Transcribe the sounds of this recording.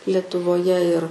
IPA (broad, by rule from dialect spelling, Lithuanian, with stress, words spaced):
lʲɛtʊʋoːˈjɛ ɪr